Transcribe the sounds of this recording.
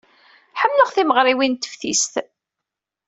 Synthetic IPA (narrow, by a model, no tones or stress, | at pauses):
ħəmːləʁθiməʁɾˤiwint̪ːə̥fθist̪